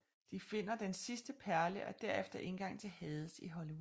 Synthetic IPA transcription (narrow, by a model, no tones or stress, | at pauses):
d̥ife̝n̰ɐd̥ensisd̥əpʰæɐləʔɒd̥æɐefd̥ɐʔe̝nɡ̥ɑ̈ŋ̰t͡sʰe̝lhɛːð̞ˠəsiɦɒliu